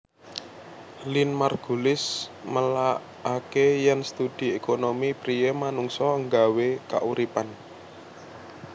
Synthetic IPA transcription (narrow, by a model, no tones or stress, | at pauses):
linmarɡ̥ulɪsməlaː | kejɛnst̪ud̪̥i̤ekonomipɾijemanuŋsɔəŋɡaweka̰ʔuɾipan